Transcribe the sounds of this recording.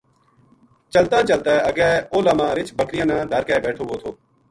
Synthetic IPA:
t͡ʃəlt̪ãːt͡ʃəlt̪aːəɡɛːoːlaːmãːɾɪt͡ʃbəkɾɪjãːnãːd̪ʱəɾkɛːbɛːʈʰoːʋoːt̪ʰoː

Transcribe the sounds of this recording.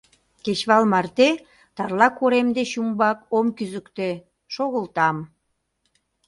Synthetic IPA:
ket͡ɕβɑlmɑrt̪e | t̪ɑrlɑkoɾemd̪eɕumbɑkomkyzəkt̪e | ʃoɣəlt̪ɑm

